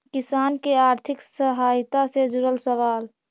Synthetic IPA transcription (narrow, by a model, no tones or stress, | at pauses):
kisankeaɾt̪ʰiksəɦajt̪ased͡ʒuɾəlsəʋaːl